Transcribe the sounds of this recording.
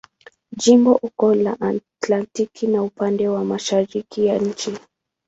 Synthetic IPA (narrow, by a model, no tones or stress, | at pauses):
ʄimbɔʔukɔlaʔatlantikinaupandɛwamaʃaɾikijaɲ̩t͡ʃi